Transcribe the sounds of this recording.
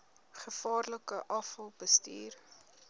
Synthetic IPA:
χəfɑːrləkəʔɑfəlˠbəstiːr

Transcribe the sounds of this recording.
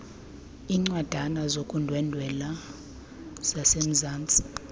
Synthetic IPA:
iːŋ͡ǀwad̥ʱanazokʼundʱwɛndʱwɛla | z̥asem̩zaːnt͡sʼi̥

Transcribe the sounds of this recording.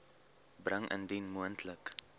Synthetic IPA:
brəŋʔə̰ndinmuəntʰlək

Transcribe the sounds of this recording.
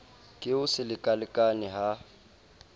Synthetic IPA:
kʼɪʊsɪlɪkʼalɪkʼanɪɦa

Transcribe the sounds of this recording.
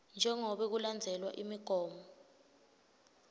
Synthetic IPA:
nd͡ʒʱɛŋɔɓɛk̬uland͡zʱɛlwa̰ʔimiɡ̥ʱɔːmɔ

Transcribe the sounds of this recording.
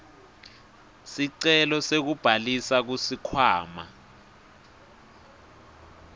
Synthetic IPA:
siǀɛlɔsek̬ub̥ʱalisak̬usikʰwaːma̰

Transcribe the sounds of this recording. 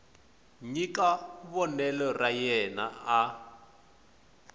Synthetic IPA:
ɲikaβɔnɛlɔrajɛna̰a

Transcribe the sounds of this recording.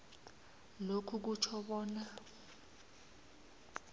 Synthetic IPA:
lokʰuk̬ut͡ʃʰɔɓɔːna

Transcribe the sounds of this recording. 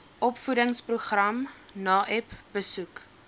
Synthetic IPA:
ʔɔpfudəŋspruχrɐmnɑːʔɛpbəsuk

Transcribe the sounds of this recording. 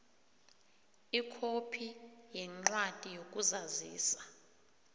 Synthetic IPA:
ikʰopʰijɛŋ͡ǃwatʼijok̬ʼuzaziːsḁ

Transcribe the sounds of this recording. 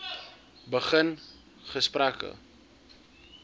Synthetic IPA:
bəχən | χəsprækə̰

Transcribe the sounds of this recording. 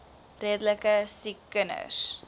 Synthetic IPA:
reədələkəsikːənə̰s

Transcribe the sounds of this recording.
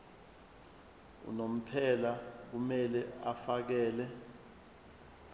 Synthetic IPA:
ṵnom̩pʰɛlak̬umɛlɛafak̬ɛːlɛ

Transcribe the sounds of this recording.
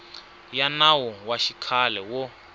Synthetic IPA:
janawɔwaʃikʰalɛwɔ

